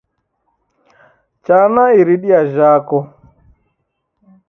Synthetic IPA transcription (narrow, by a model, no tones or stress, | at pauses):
t͡ʃaːnaiɾiɗiaʒaːkɔ